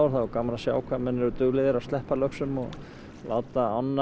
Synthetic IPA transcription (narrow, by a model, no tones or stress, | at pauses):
wɾ̥θakamaɾasja̰ːwkʰvamɛnːɛɾʏt̪ʏɣlɪðɪɾaðst̪lɛhpalœksʏmɔɣ | lʔa̰ːwt̪aanː